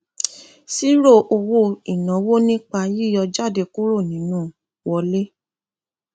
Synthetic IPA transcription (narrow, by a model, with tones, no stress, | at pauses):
si˦ɾo˦˨ʔo˧wo˦˨i˨nã˨˦wo˦nĩ˦k͡pa˧ji˦˨jɔ˧d͡ʒa˦˨de˧ku˦ɾo˦˨nĩ˨˦nũ˦˨ | wɔ˧le˦